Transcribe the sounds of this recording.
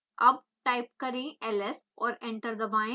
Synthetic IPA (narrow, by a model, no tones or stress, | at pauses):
ʔɐb̚ | ʈaɪp̚kɐɾẽʔɛles | ɔːɾẽɳʈəɾd̪ɐʋãɪ̃